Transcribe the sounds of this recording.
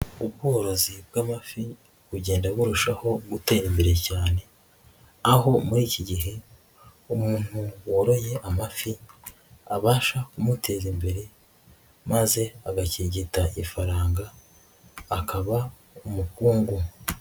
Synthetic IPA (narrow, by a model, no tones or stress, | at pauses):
ubɡoːɾo̞zibɡaːmafi | βuɟe̞ːndaβuɾuʃaho̞ɡute̞ːɾimbe̞ɾe̞caːne̞ | aɦo̞muɾiːciɟiɦe̞ | umuːn̥huwoɾo̞je̞ʔamafi | aβaːʃakumutʰe̞ːzimbe̞ɾe̞ | maze̞aɡaciːɟitaʔifaɾaːŋɡaː | kaβa | umukuːŋɡu